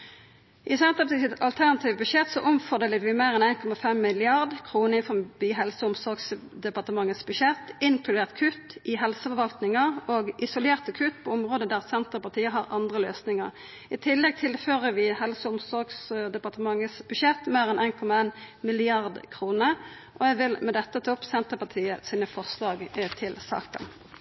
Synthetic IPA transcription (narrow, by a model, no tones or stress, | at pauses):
ʔɪsɛnt̪əpɑt̪iːsɪt̪ɑlt̪ʰæʁnɑt̪ʰiːʋəbʉʂɛt̪sɔʔʊmfɔʁd̪eːləʋɪmeːʁɛnæɪnkʰɔmɑfɛmːɪlɪɑʁd̪kʰʁuːnəɪnfɔbiːɦɛlsəʊmsɔʁɡsd̪ɛpɑʁt̪əmɑŋːət̪sb̥ʉʃɛt̪ːɪŋkʰlʉd̪eːʁt̪kʰʉt̪ːʔɪɦɛlsəfɔɾʋɑlt̪nɪŋəʁoːɡʔɪsʊleːʁt̪əkʰʉt̪ːpʰɔɔmʁoːd̪əd̪æʁsɛnt̪əʁpɑʁt̪ʰiːəɦɑʁʔɑnd̪ʁəløːsnɪŋəʁ | ɪt̪ʰɪlːɛɡ̚t̪ʰɪlføːʁəʋɪhɛlsəʊmsɔʁɡsd̪ɛpɑʁt̪əmɑŋːət̪sbʉʃɛt̪ːmeːʁɛnæɪnkʰɔmɑeːnmɪlɪɑʁd̪kʰʁuːnə | ʔɔɛʋɪlmɛd̪ɛt̪ːət̪ʰɔpsɛnt̪əpɑt̪ʰiːəsiːnəfɔʁslɑːɡt̪ʰɪlsɑ̰ːkə̰n